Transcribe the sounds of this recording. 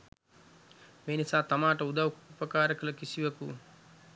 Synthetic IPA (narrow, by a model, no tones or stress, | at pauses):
meːnisaːt̪amaːʈəud̪ɐʋkupɐkaːɾɐkəlɐkisiʋɐku